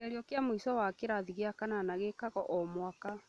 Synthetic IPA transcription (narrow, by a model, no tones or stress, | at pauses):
aɾiɔkeamoisɔwakeɾaðiɣeakananaɣekaɣɔʔɔmwaka